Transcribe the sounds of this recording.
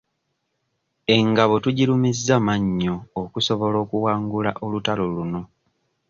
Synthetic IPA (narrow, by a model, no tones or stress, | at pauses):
e̞ŋɡaβo̞tuɟilumizːamaɲːoːkuso̞βo̞lo̞ːkuwaːŋɡulaʔolutaloluno̞